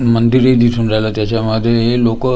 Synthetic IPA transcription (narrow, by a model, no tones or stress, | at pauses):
mənd̪iɾed̪isʰuːnd͡zajlat̪jat͡ɕaməd̪ʱːjeɦelokə